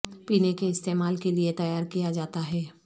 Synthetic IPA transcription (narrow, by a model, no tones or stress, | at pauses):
piːnekeɪst̪eːmaːlkeliet̪ɐjaːɾkijad͡ʒaːt̪aɦɛː